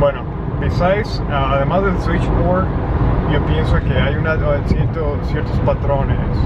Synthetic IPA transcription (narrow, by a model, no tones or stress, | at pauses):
bweno | bisajs | aaðe̞mazðeswit͡ʃmoɾʝopjensokeajunasjeɾt̪osjeɾt̪ospat̪ɾo̞nes